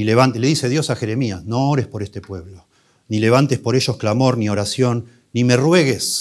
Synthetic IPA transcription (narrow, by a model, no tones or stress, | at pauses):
ileβant̪leðise̞ðjo̞saxe̞ɾe̞miasno̞oɾe̞spo̞ɾest̪epwe̞βlo̞ | nile̞β̞ant̪e̞spo̞ɾeʃo̞sklamo̞ɾnio̞ɾasjo̞nː | ime̞rweɣes